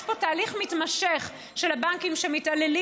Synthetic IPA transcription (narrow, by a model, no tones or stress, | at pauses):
ʃpo̞taːliχmitmaʃeχ | ʃelabaŋkimʃemitaleli